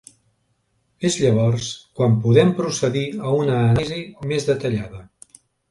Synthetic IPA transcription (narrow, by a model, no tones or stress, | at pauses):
ezʎəβ̞ɔrskwampuðɛmpɾusəðiəunəːnzimezðət̪əʎaðə